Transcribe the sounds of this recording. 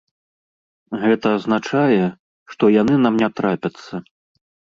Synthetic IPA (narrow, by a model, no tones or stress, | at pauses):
ɣɛt̪ɐːznat͡ʂajɛ | ʂt̪ɔjan̪ɨnamnʲɛt̪ɾapʲɐt̪sːɐ